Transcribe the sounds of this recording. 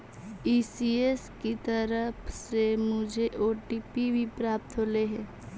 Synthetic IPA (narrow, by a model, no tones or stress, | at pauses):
iːsieskit̪əɾəpʰsemʊd͡ʒʱeʔoːʈiːpibʱipɾaːp̚t̪ɦoːleɦɛ̃ː